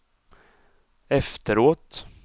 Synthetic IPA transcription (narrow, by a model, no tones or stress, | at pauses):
ɛft̪əɾoːt̪